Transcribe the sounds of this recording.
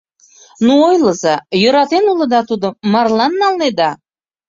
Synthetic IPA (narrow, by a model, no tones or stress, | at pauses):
nuojləzɑjøɾɑt̪enulə̆d̪ɑt̪ud̪omɑrlɑnːɑlned̪ɑ